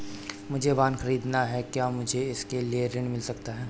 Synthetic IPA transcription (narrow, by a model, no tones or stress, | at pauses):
mʊd͡ʒʱeʋaːnxɐɾiːd̪naɦɛkjaːmʊd͡ʒʱeɪskelieɾɪɳmɪlsɐkt̪aɦɛː